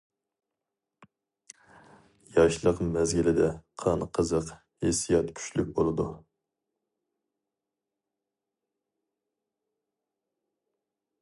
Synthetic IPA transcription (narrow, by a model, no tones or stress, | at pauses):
jɑʃlˠəqmɛzɡʲilɪd̪ɛqʰɑnqʰəzəq | hesijɑt̪kʲʰy̥t͡ʃlyk̚ʲbolˠɨd̪u